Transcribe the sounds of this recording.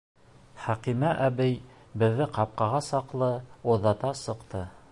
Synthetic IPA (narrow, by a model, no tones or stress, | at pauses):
χæqimæʔæbɘj | bɘ̆ðːɘqɑp̚qɑʁɑsɑqlˠɤoðɑt̪ɑsɤ̆qt̪ɤ